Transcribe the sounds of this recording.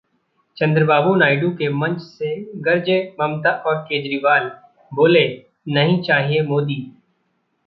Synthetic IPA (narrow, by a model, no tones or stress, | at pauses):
t͡ʃɐ̃nd̪ɾəbaːbunaːɪɖũkemɐ̃ɲt͡ʃseɡɐɾd͡ʒemɐmt̪aʔɔːɾkeːd͡ʒɾiːʋaːl | boːle | nɐɦĩt͡ʃaːɦiemoːd̪iː